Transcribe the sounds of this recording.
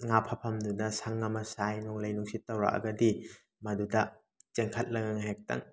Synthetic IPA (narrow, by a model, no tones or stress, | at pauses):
ŋapʰapʰɐmdudɐsaŋːɐmɐsajnɔŋlɐjnuŋsit̚ːawɾa̰ʔɐ̰ɡɐdi | mɐdudɐ | t͡ʃeŋkʰɐt̚lɐŋaŋaɦek̚ta̰ŋ